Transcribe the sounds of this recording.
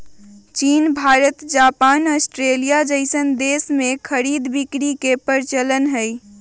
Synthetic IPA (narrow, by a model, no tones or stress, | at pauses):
t͡ʃiːnbʱaːɾət̪d͡ʒapaːnəsʈɾelijad͡ʒəɪsənd̪esmẽkʰəɾid̪bikɾikepəɾt͡ʃələnɦəj